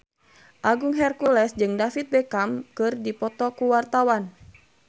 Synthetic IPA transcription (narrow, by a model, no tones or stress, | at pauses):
ʔaɡuŋɦɛrkulɛsd͡ʒɨŋdafit̪̚bɛkamkɨrdipɔt̪ɔkuwart̪awan